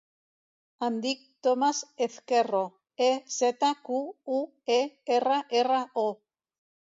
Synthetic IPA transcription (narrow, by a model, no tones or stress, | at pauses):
and̪ik̚t̪omaseθkero | eset̪akuu | eeraʔeraʔo